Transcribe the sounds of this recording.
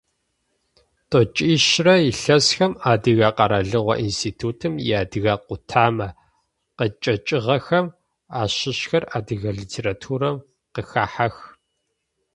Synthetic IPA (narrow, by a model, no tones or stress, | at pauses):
tʼot͡ʃʼiːʃrɐjiɬɐsxɐmaːdɨɣaːqɐɾɐɮɨʁʷɔ̰ʔinstʰiːtʰuːtʰɨmjaːdɨɣaːqʷʊtʰaːmɐ | qət͡ʃʼɐt͡ʃʼɪʁɐxɐm | aːɕɪɕxɐraːdɨɣɐɮiːtʰeːɾatʰuːɾɐm | qəxaːħax